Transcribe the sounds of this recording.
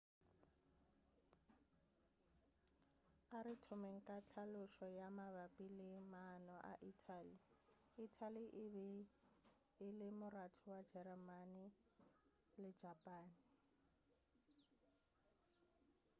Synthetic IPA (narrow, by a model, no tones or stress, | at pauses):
aɾɪtʰʊmeŋ̩kʼat͡ɬʰalʊʃɔjamaβapʼilɪmanɔʔa̰ʔitʰaliː | tʰaliʔβ | lɪmʊratʰɔwad͡ʒɛrɛmanɪ | lɪ̥d͡ʒʱapʼaːni